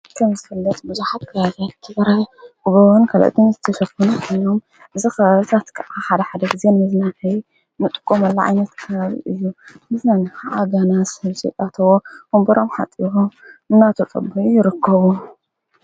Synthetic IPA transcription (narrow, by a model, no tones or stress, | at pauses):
kʰɐmzɨfɐlːɐt̪ʼbɨzuħat̪kʰɐβazat̪t̪ʰːɨbɐɾaɡuβɐonkʰɐlɐ̰ʔd̪ɨnzɨt̪ʰːɐʃɐfunukʰojo̞m | ʔɨzikɐβaβt̪ʰat̪kʰɐʔaħad̪ɐħad̪ɐɡizenmɐznanɐj | mɨt̪ʼɨ̥kʼomɐlːaʕʔa̰jnɐt̪kʰɐβaβḭʔɨjːumɨznanixaʔaɡanashɨβt͡ʃʼḛat̪ʰɐwokumbɐɾʔo̞mħa̰t̪ʼːiwomɨnat̪ʰot͡sʼɐ̰buʔujɪɾɨkʰːɐβu